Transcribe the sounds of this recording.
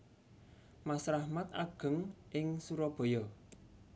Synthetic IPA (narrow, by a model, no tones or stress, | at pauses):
masɾahmat̪̚a̰ɡ̥ə̤ŋʔɪŋsuɾɔb̥ɔ̤jɔ